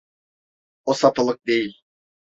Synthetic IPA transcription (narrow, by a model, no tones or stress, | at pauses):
osat̪ʰɯlˠɯk̚d̪ejilʲ